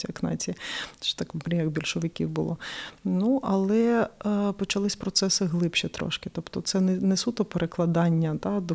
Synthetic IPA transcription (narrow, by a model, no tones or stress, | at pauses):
iɐknɑ̰t͡sʲit͡ʃɛ̥t̪ɑkɾʲijɐɡbʲilʲʃɔʋɪkʲḭwbʊlˠɔnuʔɐlˠɛ | pɔt͡ʃɐlˠɪsʲpɾɔt̪sɛsɪɦlˠɪpʃit̪ɾɔ̰ʃkɪ̥t̪ɔpt̪ɔt̪sɛnnɛsut̪ɔpeɾeklˠɐd̪ɑnʲːɐt̪ɑd̪ɔ